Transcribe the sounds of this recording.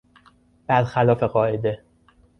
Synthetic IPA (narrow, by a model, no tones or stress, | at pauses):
b̥æd̪xælɒːfe̞ɢɒːʔe̞d̪e